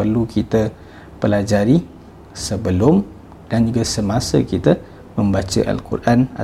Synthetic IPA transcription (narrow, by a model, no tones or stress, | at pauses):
pərlukit̪ə | pəlad͡ʒaɾi | səbəlʊm | d̥and͡ʒuɡasəmasə̰kit̪ə | mə̃mbat͡ʃə̰ʔa̰lkṵrʔana̰